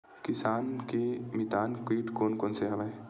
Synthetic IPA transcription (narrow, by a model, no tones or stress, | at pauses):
kɪsaːnkemɪt̪aːnkiːʈkoːnkoːnseɦɐʋa